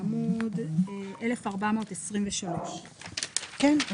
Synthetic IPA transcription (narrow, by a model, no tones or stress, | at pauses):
mudʔele̞faʁbamo̞ːtesʁimveʃalo̞ʃ | kɛn